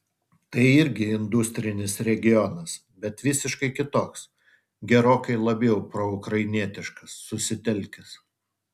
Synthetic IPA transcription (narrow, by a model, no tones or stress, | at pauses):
t̪ɐɪɪɾʲɡʲɪɪnd̪ʊsʲt̪ʲɾʲɪnʲɪsɾʲɛɡʲɪjɔnɐs | bʲɛt̪ʋʲɪsʲɪʃkɐɪkʲɪt̪oːks | ɡʲɛɾoːkɐɪlˠɐbʲjɛʊpɾɔʊkɾɐɪnʲiɛt̪ʲɪʃkɐsːʊsʲɪt̪ʲɛlʲkʲɪs